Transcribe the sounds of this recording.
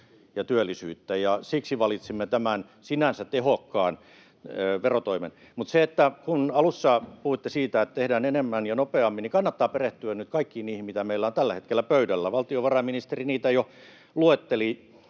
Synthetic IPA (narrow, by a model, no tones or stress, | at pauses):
jɑt̪yølːˑisyːt̪ːæjɑsiksiʋɑlit̪simːet̪æmæn | sinænsæt̪ehokːɑːnː | ʋerot̪oimḛn | mut̪seet̪ːækunɑlusːɑːpuhuit̪ːesiːt̪æet̪t̪ehdæːnenemːænjɑnopeɑmːinikɑnːɑt̪ːɑːpereht̪yænyt̪kɑikːiːniːhimmit̪æmeilːæont̪ælːæhet̪kelːæpøydælːæʋɑlt̪ioʋɑrɑminist̪eriniːt̪æjo | luet̪ːeli